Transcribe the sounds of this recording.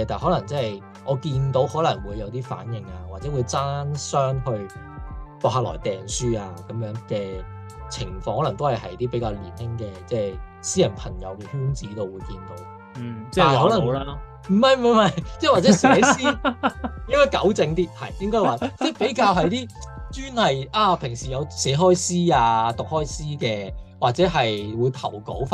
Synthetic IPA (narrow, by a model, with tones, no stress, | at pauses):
ɛ˧t̪aː˨nhɔː˨˥lɐ˨˩ŋt͡sɛː˥˨j | ʔɔː˨˧kiː˧nt̪o˨˥whɔː˨˥lɐ˨˩ŋwuː˨˧jːɐ˨˧wt̪iː˥fa̰ː˨˥njɪ˨ŋaː˧waː˨˩t̚t͡sɛː˨˥wu˨˧jt͡saː˥nsœː˥ŋhɵ˧ɥ | pɔː˧k̚haː˧lɔ̰ː˨˩jt̪ɛː˨nsyː˥aː˧kɐ˨˥mjœː˨˥ŋkɛː˧ | t͡sʰɪ˨˩ŋfɔː˧ŋhɔː˨˥lɐ˨˩ŋt̪o˥whɐ˨˩jhɐ˨jt̪iː˥pe˨˥jkaː˧wlḭ˨˩nhɪ˥ŋkɛː˧t͡sɛː˥˩ | siː˥jɐ˨˩npʰɐ˨˩ŋjɐ̰˨˧wkɛː˧hyː˥nt͡siː˨˥t̪o˨˧wuː˨˧jkiː˧nt̪o̰˨˥w | ɛa˥˨hɔː˨˥lɐ˨˩ | m̩˨˩mɐ˨˧jm̩˨˩mɐ˧mɐ˨˧jt͡sɛ˥˩wa˨t͡sɛ˨˧˥sɛ˨˧˨i˥ | jɪ˥ŋkɔː˥jkɐ̰˨˥wt͡sɪ˧ŋt̪iː˥hɐ̰˨˩jjɪ˥ŋkɔː˥jwaː˨˩t͡sɛː˥˩pe˨˥jkaː˧wɦɐ˨jt̪iː˥t͡ʃyː˥nhɐ˨jʔaː˧pʰɪ˨˩ŋsiː˨˩jɐ˨˧wsɛ˨˥ɦɔː˥jsiː˥aː˧t̪ʊ˨k̚hɔː˥jsiː˥kɛː˧waː˨t̚t͡sɛː˨˥ɦɐ˨jwuː˨˧jt̪ʰɐ˨˩wko̰˨˥wfa˧